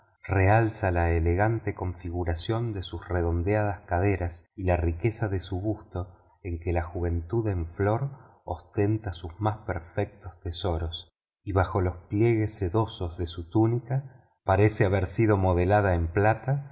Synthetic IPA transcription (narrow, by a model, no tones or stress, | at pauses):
realsalaeleɣant̪e̞ko̞ɱfiɣuɾasjo̞nd̪e̞susreðo̞nd̪eað̞askað̞e̞ɾasilarike̞saðesuβust̪o̞ | eŋkelaxuβ̞e̞nt̪uðeɱflo̞ɾ | ost̪e̞nt̪asuzmaspeɾfek̚t̪o̞st̪eso̞ɾos | iβ̞axo̞lo̞splje̞ɣe̞sːeðo̞so̞zðesut̪unika | paɾe̞seaβeɾsiðo̞mo̞ð̞elað̞aemplat̪a